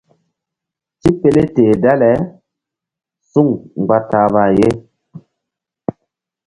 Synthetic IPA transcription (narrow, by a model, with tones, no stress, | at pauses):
ti˦pe˦le˦teː˨da˦lɛ˨˦ | su˦˨ŋŋ͡mɡ͡ba˦ta˨˦βa˨je˦